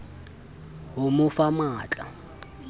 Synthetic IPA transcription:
ɦʊmʊfamaːt͡ɬʼa̰

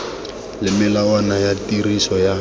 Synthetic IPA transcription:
lɪmɪlawanajatirisɔja

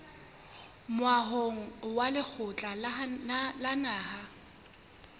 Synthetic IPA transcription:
mʊwaɦoŋ̩walɪk͡xʰʊt͡ɬʼa | lanaːha

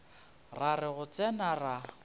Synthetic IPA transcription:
rarɪɣʊt͡sʼɛnara

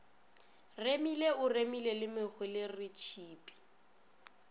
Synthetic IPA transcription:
remileʊremilelɪmɪχwɪlɪrɪt͡ʃʰiːpʼi̥

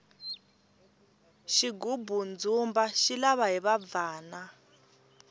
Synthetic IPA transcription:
ʃiɡubund͡zumbaʃilaβaɦiβab̪vaːna

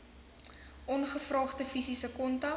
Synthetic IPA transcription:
ʔɔnχəfrɑːχdəfisisəkɔntɐ

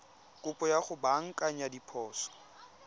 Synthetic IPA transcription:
kʼʊpʼɔjaχʊbaŋ̩kʼaɲadipʰɔːsɔ̥

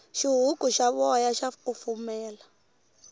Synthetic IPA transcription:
ʃiɦukʼuʃaβɔjaʃakufumɛːla

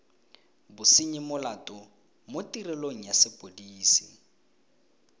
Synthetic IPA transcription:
bʊsiɲɪmʊlatʼɔ | motʼirɛloŋ̩jasɪpʼodiːsi

